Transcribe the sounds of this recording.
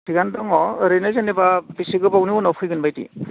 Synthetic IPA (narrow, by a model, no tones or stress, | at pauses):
tʰiɡandɔŋɔɾenɯzanibabisiɡɯbawniɔnawpʰɯjɡɯnbajtḭ